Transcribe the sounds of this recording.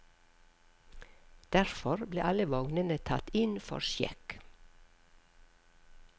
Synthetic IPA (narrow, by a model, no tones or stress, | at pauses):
d̪̥æɾfɔɾbleːʔɑləʋɔŋnənət̪ʰɑt̪ɪnfɔ̰ɾʃjɛ̰k